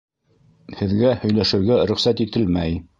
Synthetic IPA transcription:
hɘ̆ðɡæhɵ̆jlæʃɘ̆ɾɡæɾɵ̆χsæt̪it̪ɘlmæj

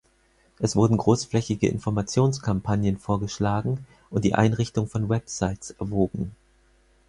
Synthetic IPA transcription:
ʔɛsv̥ʊɐdn̩ɡʁoːsflɛçɪɡə̰ʔɪ̰nfɔɐmat͡sjoːnskʰampʰanjənfoːɐɡəʃlaːɡŋ̩ | ʔʊnt̚d̥ḭːʔa̰ɪnʁɪçtʊŋfɔnwɛpsaɪtsʔɛɐvoːɡŋ̩

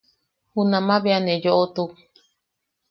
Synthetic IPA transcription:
hunãmãβeanejoʔot̪u

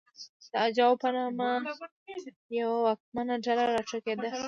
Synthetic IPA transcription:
d̪̥əad͡ʒɑwpənɑma | jawawak̚manaɖalaɾɑʈ͡ʂaked̪a

